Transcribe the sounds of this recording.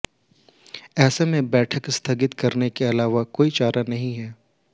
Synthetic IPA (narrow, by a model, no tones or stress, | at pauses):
ɛːsemẽbɛːʈʰəkst̪ʰɐɡɪt̪kɐɾnekeɐlaːʋakoːit͡ʃaːɾanɐɦĩɦɛː